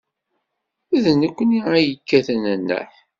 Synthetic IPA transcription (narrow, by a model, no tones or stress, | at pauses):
æðnəkʷːəniæjəkːæθənənːə̰ħ